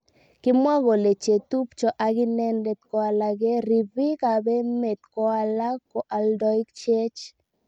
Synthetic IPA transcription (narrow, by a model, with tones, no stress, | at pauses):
kɪ˦mwa˦ɣo˨le˨t͡ʃe˨t̪u˦pt͡ʃɔ˨ʔa˨ɡɪ˦nɛ˦nde˨t̪kɔ˦a˨la˨ɡe˦ɾi˨bi˦ka˨be˦me˨t̪̚kɔ˦a˦la˦kɔ˨ʔa˨ldɔ˦i˦kt͡ʃe˦t͡ʃ